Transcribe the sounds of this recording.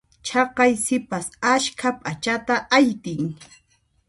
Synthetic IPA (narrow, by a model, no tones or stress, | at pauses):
t͡ʃʰɑqɑjsɪpasaʃkʰapʼat͡ʃat̪aʔajt̪ɪŋ